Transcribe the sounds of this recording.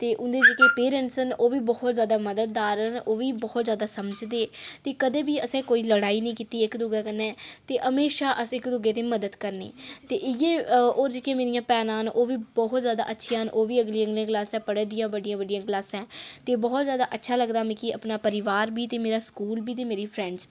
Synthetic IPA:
t̪eːʔʊnd̪eːd͡ʒeːkeːpeːɾə̃ɳsənoːʋiːbɔːt̪zjaːd̪aːməd̪əd̪̚ːaːɾənoːʋiːbɔːt̪zjaːd̪aːsəməd͡ʒd̪eːt̪eːkəd̪eːbiːəsɛ̃ːkoːiːləɽaːiːnəĩːkiːt̪iːɪkd̪ʊɡaːkənɛːt̪eːʔəmeːʃaːʔəɪkd̪ʊɡeːt̪eːməd̪əd̪kəɾnḛːt̪eːjeːoːɾd͡ʒɪkjẽːmeːɾijãːpɛːnãːnoːʋiːbɔɦt̪zjaːd̪a̰ːʔətːʃʰijãːnʔoːʋiːəɡliːə̃ɡliãːklaːsɛ̃ːpəɽəd̪ɪjãːbəɖɪjãːbəɖijãːklaːsɛ̃ːt̪eːbɔːt̪zjaːd̪aːʔətːʃʰaːləɡd̪aːmɛ̃ːkiəpnaːpəɾɪʋaːɾbiːt̪eːmeːɾaːskuːlbiːt̪̬eːmeːɾiːpʰɾɛ̃ɳɖz

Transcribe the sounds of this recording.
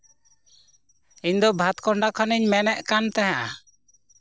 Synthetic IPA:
iɲd̪ɔbʱat̪kɔɳɖakʰaniɲmɛnɛʔkant̪ɛɦa

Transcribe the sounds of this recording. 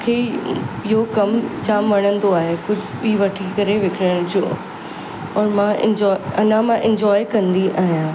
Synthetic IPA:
kʰeɪɦokɐmt͡ɕaːmʋɐɽ̃ə̃nd̪oaːɦekʊd͡ʑʱɓiːʋɐʈʰikɐɾeʋɪkʰɪɽəɽ̃d͡ʑõː | ɔːɾmãɪ̰̃ɲd͡ʑɔːɐnãmãʔɪ̃ɲd͡ʑɔːikɐ̃nd̪iaːɦijãː

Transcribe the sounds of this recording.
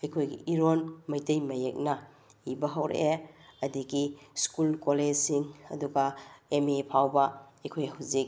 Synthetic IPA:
ɐjkʰojɡḭʔiɾonmɐjtɐjmɐjek̚nɐ | ibɐɦɐwɾḛeɐdiɡiskulkoled͡ʒsiŋɐ̰duɡɐemepʰawbɐɐjkʰojhuzik̚

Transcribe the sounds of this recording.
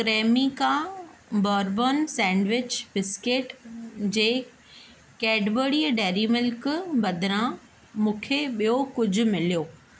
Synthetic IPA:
kɾeːmikãːbaːɾboːnsɛ̃ːɳɖʋɪt͡ɕbɪskeʈd͡ʑeː | kɛːɖboːɽiɖɛːɾimʊlkbɐd̪ʱɪɾã | mũːkʰeɓijokʊd͡ʑʱʊ̆mɪlijoː

